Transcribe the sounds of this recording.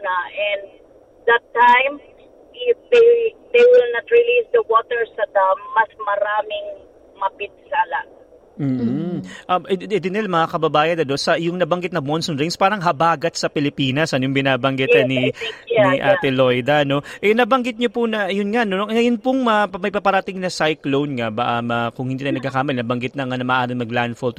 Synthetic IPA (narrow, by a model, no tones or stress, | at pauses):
naʔɛ̃n | d̪ɐt̪ːajm | ɪfd̪e | d̪ejwɪlnɐt̪ɹɪlisd̪ɐwot̪ɛɹsɐd̪amːɐsmɐɾaːmɪŋ | mɐpɪnsaːlɐ | m̩ːʔɐmʔɛɛd̪ɪnɛlmɐŋakɐbɐbaːjɐd̪ɐnosɐʔjʊŋnɐbɐŋɡɪt̪̚nɐbonsonɾɛnspaːɾɐŋɦɐbaːɡɐt̪sɐpɪlɪpiːnɐsɐnojʊŋbɪnaːbɐŋɡɪt̪ɐniniʔaːt̪ɛlo̞jd̪ɐno̞ʔɛnɐbɐŋɡɪt̪̚ɲopʊnɐjʊnŋaʔnoŋɐjonpʊŋmɐmɐjpapɐɾɐt̪ɪŋnɐsajklownŋabɐʔɐmɐkʊŋhɪnd̪iːnɐjnɐɡkːɐkaːmɐjnɐbɐŋɡɪt̪̚nɐŋanɐmɐːʔaːɾɪŋmɐɡlanfolt̪